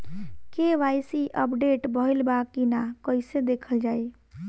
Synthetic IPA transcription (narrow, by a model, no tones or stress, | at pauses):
keʋajsiʔəpɖeʈbəɦilbakːinakəɪsed̪ekʰəld͡ʒaj